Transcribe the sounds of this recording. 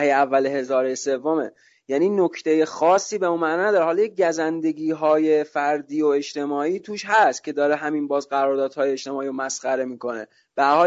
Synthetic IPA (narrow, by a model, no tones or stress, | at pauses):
ejeævːæleɦe̞zɒːɾese̞vːomḛ | jæːniːnocʰt̪ʰe̞je̞xɒːsːiːbeunmæʔnːnæd̪ɒːɾeɦɒːljeɟæzænd̪e̞ɡiːɦɒːje̞fæɾd̪iːoe̞ʃt̪e̞mɒːiːt̪ʰuːʃɦæst̪̚cʲʰe̞d̪ɒːɾeɦæminbɒːzɢæɾɒːɾd̪ɒːd̪̥hɒːjeeʃt̪e̞mɒːiːɾomæsχæɾe̞miːko̞ne̞̰ | b̥eæɾhɒː